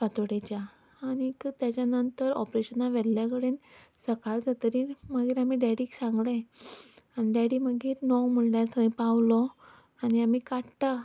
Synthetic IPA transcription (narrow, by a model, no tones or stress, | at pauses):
fat̪oɽet͡ɕjaː | ɽ̃ikt̪jat͡ɕjanənt̪əɾɔ̰pɾeɕənaʋɛɽljak̬əɽensəkaɭd͡z̪at̪əɾiːməɡiːɾamiːɖɛɽiːksãŋɡle | aniɖɛɽiːməɡiːɾnɔwm̤əɳlaɾt̪ʰəĩpaʋlɔ | aɽiamiːkaʈʈa